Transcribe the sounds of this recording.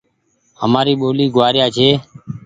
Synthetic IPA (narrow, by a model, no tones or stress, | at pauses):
həmaːɾiːɓoːliːɡʊʋaːɾɪjaːt͡ʃʰeː